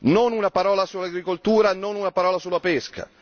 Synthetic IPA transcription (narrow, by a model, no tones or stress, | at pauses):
nonunapaɾɔːlasulːaɡɾikolt̪uːɾanonunapaɾɔːlasulːapɛska̰